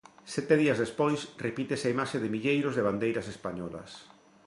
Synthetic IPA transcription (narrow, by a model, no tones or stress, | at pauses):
sɛt̪eðiɐzðespojsrepit̪esaimaʃeðɪmiʎejɾozðeβand̪ejɾɐsespaɲɔlɐ̰s